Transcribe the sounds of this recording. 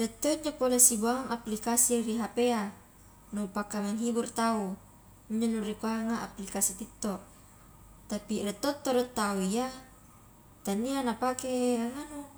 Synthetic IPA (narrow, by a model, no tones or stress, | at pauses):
rɛt̪ːoiɲd͡ʒopolesibuaaŋaplikasiriɦapea | nupakameŋɦiburt̪au | iɲd͡ʒonuɾikuaŋaʔaplikasit̪it̪ːo | t̪apirɛt̪ːot̪ːoɾɛt̪ːauija | t̪anːianapakeaŋanu